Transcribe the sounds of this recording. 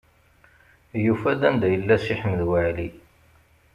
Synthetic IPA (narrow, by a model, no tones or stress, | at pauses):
jufæd̪ænd̪æjəlːæsiħəməðwəʕli